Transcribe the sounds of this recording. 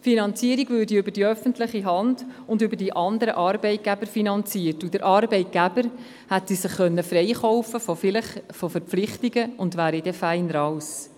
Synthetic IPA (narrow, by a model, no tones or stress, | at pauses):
tfinɑnt͡siəɾiɡvøːɾdiʏbəɾdiœfəntlɪχiɦɑnd̥ʊndʏbəɾdiʔɑnd̪əɾəʔɑːɾbɛɪt̚ɡ̥æbəɾfinɑnt͡siːəɾtud̥əɾʔɑːɾbɛɪt̚ɡ̥æb̥əɾ | hætsisɪχːœnːəfɾɛɪχɔwfəfofɪləχfofəɾpflɪχtiɡəʊndʋæːɾidɛfæɪnəɾɑws